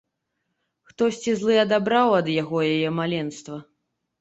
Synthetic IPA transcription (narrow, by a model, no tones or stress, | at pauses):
xt̪ɔsʲt͡sʲizlˠɨɐd̪abɾawɐd̪jaɣɔjajɛmalʲɛnst̪vɐ